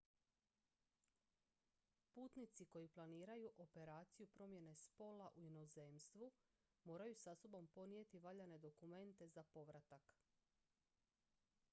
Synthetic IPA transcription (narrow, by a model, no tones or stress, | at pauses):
puːt̪nit̪siko̞jiplˠaniːɾajuʔo̞pe̞ɾaːt̪sijupɾo̞mje̞ne̞spo̞laʔuino̞ze̞ːmst̪ʋu | mo̞ːɾajusaso̞bo̞mpo̞nije̞t̪iʋaʎane̞d̪o̞kume̞nt̪e̞zapo̞ʋɾat̪ak